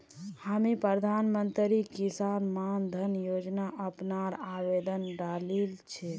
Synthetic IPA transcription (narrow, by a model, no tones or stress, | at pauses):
hamipɾəɾd̪ʱanmənt̪ɾikisanmand̪ʱənjod͡ʒnaʔəpnaɾabed̪ənɖalilt͡ʃʰɛ